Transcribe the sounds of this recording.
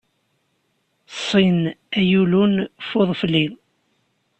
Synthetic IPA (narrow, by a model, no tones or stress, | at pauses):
sˤːinæjulunfoðˤflːið